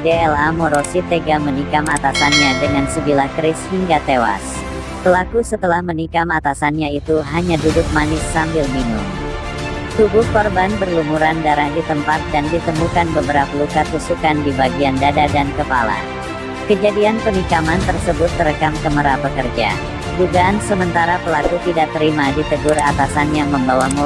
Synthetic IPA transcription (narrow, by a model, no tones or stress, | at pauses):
deɛlamɔɾosit̪eɡamənikamat̪asanɲadəŋansəbilahkɾɪshiŋɡat̪ewa̰s | pəlakusət̪əlahmənikamat̪asanɲait̪uɦaɲadudʊk̚manɪsːambɪlminʊm | t̪ubʊhkɔrbanbərlumuɾandaɾahdit̪əmpat̪̚dandit̪əmukanbəbəɾapalukat̪usukandibaɡiandadadankəpala̰ | kəd͡ʒadianpənikamant̪ərsəbʊt̪ːəɾəkamkəməɾapəkərd͡ʒa̰ | duɡaːnsəmənt̪aɾapəlakut̪idaʔ̚t̪əɾimadit̪əɡʊrat̪asanjaŋməmbawamu